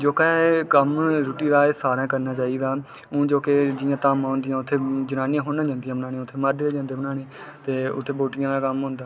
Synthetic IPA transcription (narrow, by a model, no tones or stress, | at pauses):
d͡ʒoːkɛ̃ːkəmɾʊːʈiːd̪aːesaːɾãːkəɾnaːt͡ʃaːiːɡ̪aː | õːd͡ʒoːked͡ʒɪjãːt̪aːmãːnd̪ɪjãːʊt̪ʰːeːd͡ʒənaːnɪːãːɦoːnãːd͡ʒãːnd̪ɪjãːbənãːnẽːʊt̪ʰːeːməɾd̪eːd͡ʒãːnd̪eːbənaːneː | t̪eːʊ̰t̪ʰːeːboːʈɪjãːd̪aːkəmɦõːnd̪aː